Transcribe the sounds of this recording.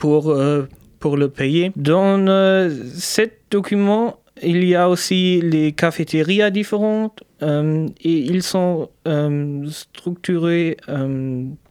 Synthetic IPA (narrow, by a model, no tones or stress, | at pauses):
puʁø | puʁləpejed̪ɑ̃øsɛt̪̚d̪̥ɔkʲymɑ̃ | iliaosilekafet̪ʰeʁiad̪ifeʁɑ̃t̪ømeilsɔ̃ømst̪χyk̚t̪yʁeøm